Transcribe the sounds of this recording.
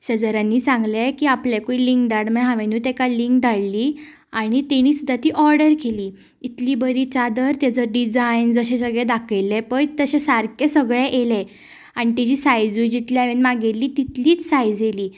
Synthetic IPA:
ɕəd͡zəɾanːiːsãŋɡlɛkiːaplɛkuiliŋkd̪aɽmɛɦãʋenuːt̪ɛkaliŋkd̪ʱaɽliː | aɽ̃it̪ɛɽ̃iːsud̪ʱːat̪iːʔɔɾɖəɾkʰeliː | it̪liːbəɾiːt͡ɕad̪əɾt̪jad͡zəɾɖid͡zajnd͡zəɕẽsəɡɭɛd̪akʰəjlɛpəjt̪əɕesaɾkʰesəɡɭɛʔelɛ | aɽ̃it̪ɛd͡ʑiːsajd͡zujd͡ʑit̪ljaʋenmaɡelːiːt̪it̪liːt͡ssajd͡zjeliː

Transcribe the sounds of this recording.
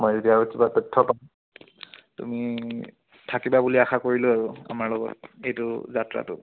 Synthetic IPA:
mojzodiaɹosibatɔtʰːɔpaʊ̃ | tṵmi | tʰakibabuliaxakoɹilʊaɹua̰maɹlɔɡɔ̰tejtʊzatɹa̰tʊ̰

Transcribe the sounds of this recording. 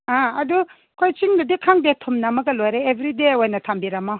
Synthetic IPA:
aɐdu | kʰojt͡ʃiŋdɐdikʰaŋdetʰumnamɐɡɐlojɾeːbʱɾideojnɐtʰambiɾɐma

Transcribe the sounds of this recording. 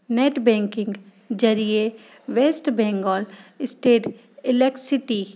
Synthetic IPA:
neːʈbɛ̃ːŋkɪ̃ŋɡ | d͡ʒɐɾie | ʋeːsʈbɛ̃ːŋɡɔːlɪsʈeːʈ | ɪlek̚ʈsɪʈi

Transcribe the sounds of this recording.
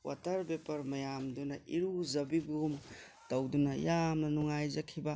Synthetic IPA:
wʔa̰tɐɾbepɐɾmɐjamdunɐʔiɾuzɐbibum | tɐwdunɐjamnɐnuŋajzɐkʰibɐ

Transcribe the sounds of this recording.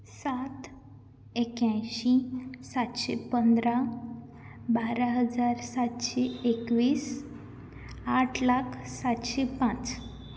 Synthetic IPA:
sat̪ | ekjãjɕisat̪ɕḛpənd̪ɾa | baɾaɦəd͡zaɾsat̪ɕeekʋiːs | aʈʰlakʰsat̪ɕepãt͡s

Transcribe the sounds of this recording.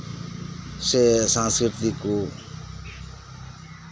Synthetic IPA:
sesãnskɾit̪iko

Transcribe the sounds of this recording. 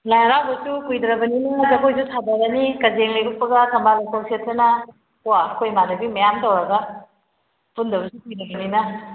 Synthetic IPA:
lajɾawbɐsukujdɾɐbɐninɐzɐkʰojsusʰadaɾɐnikɐd͡ʒeŋleɡupːɐɡɐtʰɐmbalakowsietʰɾɐnɐ | uwakʰojmadɐbimɐjamtowɾɐɡa | pundɐβɐsukujnɐɡininɐ

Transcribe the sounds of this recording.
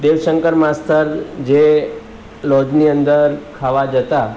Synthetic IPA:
d̪eʋʃəŋkəɾmãst̪ʰəɾd͡ʒe | lɔd͡ʒniənd̪əɾkʰaʋad͡ʒət̪a

